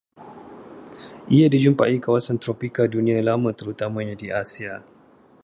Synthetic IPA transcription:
ʔiadid͡ʒumpa̰ʔikawasant̪ɾopikadunĩãlamãt̪əɾut̪amãɲãdiasia

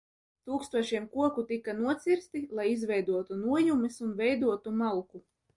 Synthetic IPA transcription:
t̪uːkst̪uɔʃiɛmkuɔkut̪ikːanuɔt̪sʲiɾst̪ilˠajizvʲɛjd̪uɔt̪unuɔjumisunvɛjd̪uɔt̪umalˠku

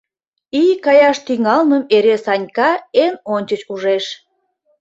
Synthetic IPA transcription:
ijkɑjɑʃt̪yŋɑlməmeɾesɑnʲkɑenonʲt͡ɕət͡ɕuʒeʃ

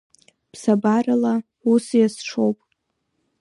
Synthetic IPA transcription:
pʰsabarala | usjasʂʰo̞wpʼ

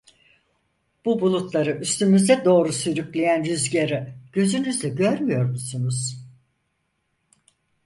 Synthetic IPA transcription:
b̥ubulˠut̪ʰlˠaɾɯʔyst̪ʰymyzd̪ɛd̪o̞ːɾusyɾyclʲejænɾyzɟeɾiɟ̥ø̞zynyzlɛɟøɾmyjo̞ɾmusunuz̥

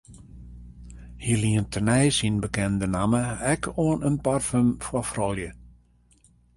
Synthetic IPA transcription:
hiəliəntʰənɛjsinbəkɛndənaməɛkʰoənənparfəmfwɔfrɔlˠjə

